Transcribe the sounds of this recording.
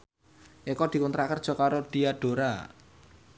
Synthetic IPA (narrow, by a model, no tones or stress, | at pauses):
ʔekɔd̪̥i̤kunt̪ɾakərd̥ʒ̥ɔ̤kaɾoɖ̪̥i̤aɖ̥o̤ɾa